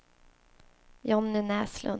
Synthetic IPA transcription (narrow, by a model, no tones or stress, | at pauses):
jɑːmnʉ̟ːnɛːslɵ̰n